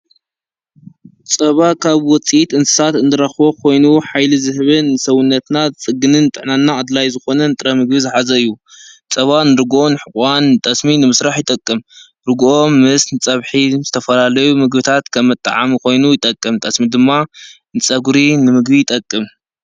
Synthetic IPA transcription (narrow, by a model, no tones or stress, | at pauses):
t͡sʼɐβakʰaβwɔt͡sʼijit̪ɨnsɨ̥sat̪ɨnd̪ɨɾɐxβo̞kʰo̞jnuħajlizɨhβɨnːɨsɐwʊnːɐt̪nat͡sʼɨɡɨnɨnt̪ʼɨħnanːaːd̪lajzɨxo̞nɐnɨt̪ʼɾɐmɨɡbizɨħazɐɨjːu | t͡sʼɐβanɨɾɨɡonɨħɨkʼwant̪ʼɐsminɨmɨsɾaħjɪt̪ʼɐkʼːɨm | ɾɨɡʔomːɨsnɨt͡sʼɐβħiz̥ɨt̪ʰɐfɐlalɐjumɨɡbɨt̪ʰat̪kʰɐmːɐt̪ʼːa̰ʕa̰mikʰo̞jnujɪt̪ʼɐkʼːɨmt̪ʼɐsmid̪ɨmːa | nɨt͡sʼɐɡɾinɨmɨɡbijɪt̪ʼɐkʼːɨm